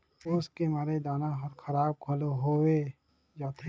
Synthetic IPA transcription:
ʊskemaːɾed̪aːnaɦɐɾkʰɐɾaːb̚kʰɐloɦowe | d͡ʒaːt̪e

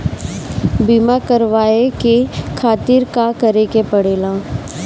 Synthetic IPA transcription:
bimakəɾʋaːekekʰaːt̪ɪɾkakɐɾekepɐɽeːlaː

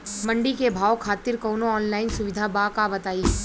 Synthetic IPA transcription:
mɐ̃ɳɖikebʱaːwkʰaːt̪ɪɾkɔʊnoɔːnlaːɪnsʊʋɪd̪ʱabakabɐt̪aːiɦɛ

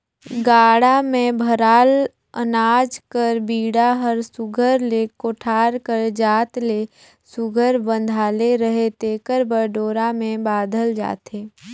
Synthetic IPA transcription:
ɡaːɽamẽbʱəɾaːl | ənaːd͡ʒkəɾbiːɽaɦəɾsʊɡʱəɾlekoːʈʰaːɾkəɾd͡ʒaːt̪le | sʊɡʱəɾbə̃nd̪ʱaːleɾəɦet̪eːkəɾbəɾɖoːɾamẽbaːd̪ʱəld͡ʒa̰ːt̪eː

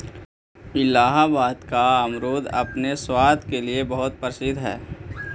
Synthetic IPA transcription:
ɪlaːɦabaːd̪kaɐmɾoːd̪ɐ̰pneswaːd̪ʱkeliebɐɦʊt̪̚pəɾəsɪd̪ʱɦɛ̰ː

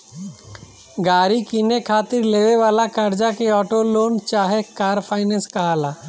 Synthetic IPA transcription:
ɡaːɾikinekʰaːt̪ɪɾleːʋeʋaːlakəɾd͡ʒakeɔːʈoloːnt͡ʃaːɦekaːɾpʰaːɪnɛ̃ːskɐɦaːlaː

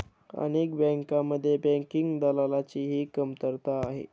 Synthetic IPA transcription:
ə̰nekbɛ̃ŋkaməd̪ʱːjebɛ̃ŋkiŋɡd̪alalat͡ɕiːɦiːkəmt̪əɾt̪aːɦḛ

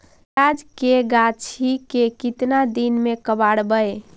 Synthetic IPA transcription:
ad͡ʒkeɡat͡ʃʰikekit̪nad̪inmekəbaɽbəj

